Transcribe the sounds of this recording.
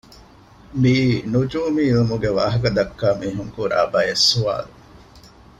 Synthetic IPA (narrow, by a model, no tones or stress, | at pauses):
miːnud͡ʒuːmiːlumuɡeʋa̰ːɦɐkɐd̪ɐkːaːmiːɦuŋkuɾa̰ːbɐjesːua̰ːlu